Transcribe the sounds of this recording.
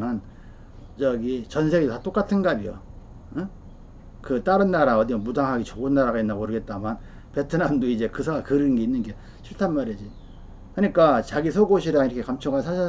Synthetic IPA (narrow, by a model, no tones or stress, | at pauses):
ɯn | t͡ɕʌɡit͡ɕʌnsʰe̞ɡitat͈ok͈atʰɯnɡabijo̰ | kɯt͈aɾɯnːaɾaʌdimʌnmudaŋɦaɡit͡ɕoɡɯnːaɾaɣainːaɡoɾɯɡe̞t̚t͈aman | pe̞tʰɯnamdoid͡ʑe̞kɯsʰaɡakɯɾɯnɡe̞inːɯnɡe | ɕʰiɭtʰanmaɾid͡ʑi | kɯɲik͈at͡ɕaɡisʰʌɡoɕʰiɾaŋiɾʌkʰekamt͡ɕʰʌŋasʰaa